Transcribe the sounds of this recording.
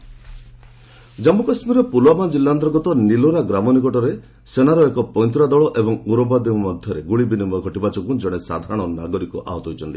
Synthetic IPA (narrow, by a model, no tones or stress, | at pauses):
d͡ʒamukasmiɾɔpulwamad͡ʒilːant̪ɾɔɡɔt̪ɔniloɾaɡɾamɔnikɔʈɔɾe | senaɾɔekɔpɔj̃nt̪ɾad̪ɔɭɔʔebɔŋuɾɔbad̪imɔd̪ʱjɔɾeɡuɭibinimɔɡʱɔʈibat͡ʃɔkud͡ʒɔɽ̃esa̰d̪ʱaɾaɽ̃ɔnaɡɔɾikuʔa̰ɦɔt̪ɔɦut͡ʃʰɔnt̪i̥